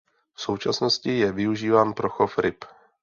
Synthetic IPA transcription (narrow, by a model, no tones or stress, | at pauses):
fso̞wt͡ʃasno̞scɪjɛvɪuʒiːvaːnpɾoxofɾɪp